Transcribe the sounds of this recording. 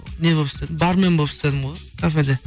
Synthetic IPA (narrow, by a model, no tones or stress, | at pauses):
ne̞bopst̪ed̪ɪbɑɾme̞nbolˠpst̪e̞d̪ɪmʁojkʰafed̪e